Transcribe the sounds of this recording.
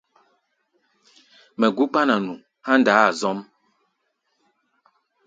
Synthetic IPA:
mɛ˨ɡu˦k͡pa˦na˨nu˨ | ha˦n˦daː˨˦a˨zɔ˦m

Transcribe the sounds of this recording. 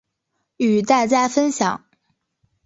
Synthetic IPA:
y˨˩t̪a˥˧ɪt͡ɕja˥˩ɪfə˥nɕjɑ˨˩˦ŋ

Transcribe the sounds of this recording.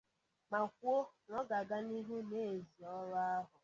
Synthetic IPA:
ma˨kʷo˦ŋɔ˦ɡa˨ɡa˦ni˦ɦu˦ne˦e˨zi˨ɔ˦ɾɔ˦a˦ɦʊ˨

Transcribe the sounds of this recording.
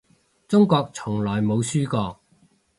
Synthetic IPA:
t͡sʊ˥ŋkɔː˧k̚t͡sʰʊ˨˩ŋlɔː˨˩jmo˨˧wsyː˥kɔː˧k̚

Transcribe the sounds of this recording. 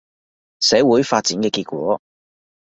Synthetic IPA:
sɛː˨˥wuː˨˥jfaː˧t̚t͡siː˨˥nkɛː˧kiː˧t̚kʷɔ̰ː˨˥

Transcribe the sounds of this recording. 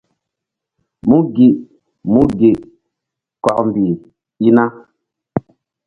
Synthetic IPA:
mũ˦ɡi˨ʔ | mũ˦ɡi˨ | kɔ˨ʔm˨bi˨ | i˦na˦

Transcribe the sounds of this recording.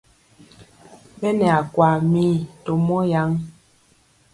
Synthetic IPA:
bɛ˦nɛ˨a˨kwa˨mi˦to˨mɔ˦ja˨˦ŋ

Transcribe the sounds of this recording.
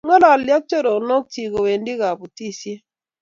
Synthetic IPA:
ŋɔ˦la˨lja˦k̚t͡ʃo˦ɾo˨no˦k̚ti˨ɡo˨we˨ndi˦ɡa˨bu˨ti˦sje˦

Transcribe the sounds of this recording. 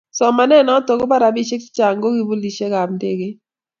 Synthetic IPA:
sɔ˨ma˨nɛ˦nɔ˨˦to˨kɡo˦pa˦ɾa˨bi˦ʃe˦kt͡ʃa˨ŋɡo˦ɡi˦bo˦li˨ʃe˦ka˨b̚nde˦˨ɡe˦

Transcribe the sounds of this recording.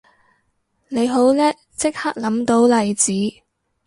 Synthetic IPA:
ne˨˧jɦo˨˥wlɛː˥ | t͡sɪ˥k̚haː˥k̚lɐ˨˥mt̪o˨˥wlɐ˨˩jt͡siː˨˥

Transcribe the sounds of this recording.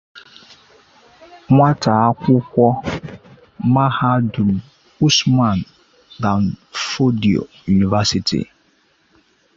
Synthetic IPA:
ŋʷa˦ta˨a˦kʷʊ˦kʷɔ˦ | ma˦ha˦du˨m̩˨ | u˦sma˨n | da˨nfo˦di˨o̰˨ju˨ni˨va˦si˦˨tʰḭ˨

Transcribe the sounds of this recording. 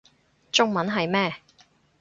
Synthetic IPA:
t͡sʊ˥ŋ̚mɐ˨˥nɦɐ˨jmɛː˥

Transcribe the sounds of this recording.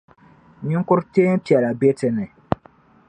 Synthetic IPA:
ɲɪ˦ŋ˦kʊ˦ɾteː˦pi˨ɛ˨la˨be˦tɪ˨nɨ˨

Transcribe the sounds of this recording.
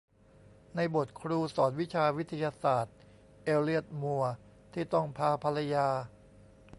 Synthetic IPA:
na˧jbo˨˩t̪̚kʰɾuː˧sɔː˩˦n̚wi˦˥t͡ɕʰaː˧wi˦˥t̪ʰːa˧jaː˧saː˨˩t̪̚ | ʔeː˧li˥˩ət̪̚mu˧ɐ | t̪ʰiː˥˩t̪ɔ˥˩ŋpʰaː˧pʰa˧la˧jaː˧

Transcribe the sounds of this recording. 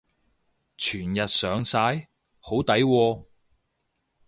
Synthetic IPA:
t͡ʃʰyː˨˩njɐ˨t̚sœː˨˧ŋsaː˧˥j | ho˨˥wt̪ɐ˨˥jwɔː˧

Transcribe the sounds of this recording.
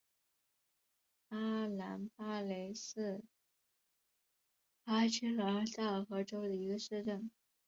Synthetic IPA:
pa˥la˧˥npa˥le˧˥ɪsɹ̩˥˩ | pa˥t͡ɕʰi˥lə˧˥˧t̪a˥˩xɤ˧˥ʈ͡ʂo˥ʊd̪ə˨i˧˥ɡə˧ʂɻ̩˥˧ʈ͡ʂə˥˩n

